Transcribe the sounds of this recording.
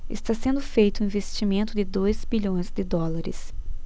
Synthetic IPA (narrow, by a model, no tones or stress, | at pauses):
ɪ̰st̪asẽnd̪ʊfejt̪ʊĩvest͡ʃimẽnt̪ʊd̪ɪd̪ojzbiʎõj̃zd̪ɪd̪ɔlaɾɪ̰s